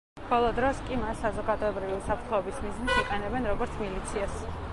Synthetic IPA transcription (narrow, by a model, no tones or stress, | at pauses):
bɔlˠɔd̪ɾɔskʼimasːazɔɡad̪ɔɛbɾiviusapʰɾt̪ʰχɔɛbismiznit̪ʰiqʼɛnɛbɛnɾɔɡɔɾt̪sʰmilit̪sʰias